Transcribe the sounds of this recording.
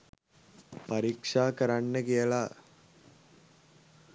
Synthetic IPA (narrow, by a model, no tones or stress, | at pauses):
paɾiːkʂaːkəɾanːəkijəla